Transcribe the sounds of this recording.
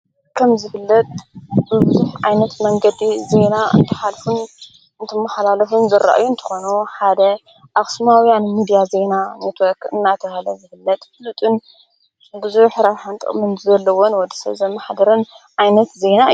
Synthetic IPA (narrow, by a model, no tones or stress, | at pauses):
kʰɐmzɨfɨlːɐt̪ʼbɨbɨzuħʕa̰jnɐt̪mɐŋɡɐd̪ize̞naɨ̰nt̪ʰɨ̥ħalfun | ɨnt̪ʰɨmːɐħalalɐfunzɨɾʔa̰ʔa̰junt̪ʰɐ̥xo̞nuħad̪ɐ | ʔaxʼsmawjanmid̪ijaze̞nanet̪wɔɾkɨ̰nːat̪ʰɐhlɐzɨfɨlːɐt̪ʼfɨlut̪ʼɨn | bɨzuħɾaɾħant̪ʼɨ̰χʼmɨnzɐlːɐwonwɔd̪ɐ̥sɐ̰zɐmaħd̪ɐɾɨn | ʕajnɐt̪ze̞na